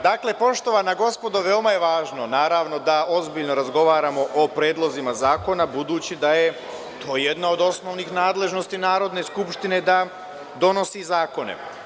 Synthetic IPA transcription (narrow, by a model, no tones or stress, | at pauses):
d̪aːkle̞po̞ʃt̪o̞ʋanaɡo̞spo̞d̪oʋe̞omaje̞ʋaːʒno̞naːɾaʋno̞d̪ao̞zbiʎno̞ɾazɡo̞ʋaːɾamo̞ʔopɾe̞ːd̪lˠo̞zimazaːko̞nabud̪uːt͡ɕid̪aje̞ | t̪ʰo̞ːje̞d̪nao̞d̪o̞sno̞ʋnixnaːd̪le̞ʒnost̪inaːɾo̞d̪ne̞skupʃt̪ine̞d̪a | d̪o̞no̞sizaːko̞nḛ